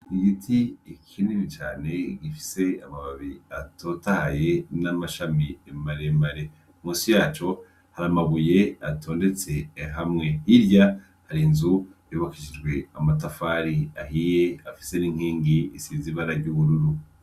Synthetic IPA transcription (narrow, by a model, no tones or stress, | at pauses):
iɡitʰiːkʰiniβit͡ʃaːne̞ɡifi̥se̞amaβaβiatʰo̞tahaje̞namaʃamiemaɾe̞maɾe̞ | muːsijaːt͡ʃo̞ | haɾamaβuje̞atʰo̞ːnde̞t͡se̞ɦamŋe̞hiɾja | haɾinzujoβakiʒid͡ʒɡwe̞amat̬afaːɾiaɦije̞afi̥se̞niːŋ̥hiːŋɡiisiziβaɾaɾɟuːβuɾuɾu